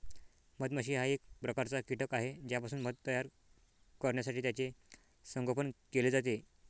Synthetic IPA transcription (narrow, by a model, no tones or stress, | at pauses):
mət̪məɕiːɦaek̚pɾəkaɾt͡sakiʈəkaɦed͡ʑjapasuːnmət̪ːəjaɾ | kəɾɳjasaʈʰiːt̪jat͡se | səŋɡəpənkeled͡zat̪e